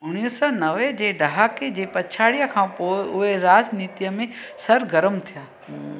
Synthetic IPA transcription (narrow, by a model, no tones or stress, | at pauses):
ʊɽ̃iəsɔnɐʋed͡ʑeːɖɐɦaːked͡ʑeːpɐt͡ʃʰaːɽijəkʰãːpoːɪʊɦeɾaːd͡ʒniːt̪ijəmẽsɐɾɡəɾəmt̪ʰijaː